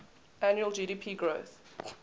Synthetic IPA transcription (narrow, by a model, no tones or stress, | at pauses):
anjuəld͡ʒiːɾiːpʰiːɡɹoθ